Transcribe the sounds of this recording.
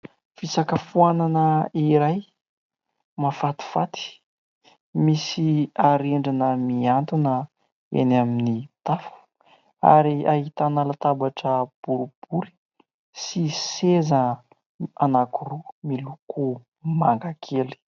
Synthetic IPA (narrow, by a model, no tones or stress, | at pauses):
fisakəfuananəiɾaj | mafat̪i̥fat̪i̥ | misiaɾeɳɖ͡ʐanəmiant̪unə | ḛnaminit̪afu̥ | a̰ɾiaɦit̪analat̪abaʈ͡ʂəb̥uɾub̥uɾi̥ | sisezə | anakuɾumiluku | maŋɡakʰeli̥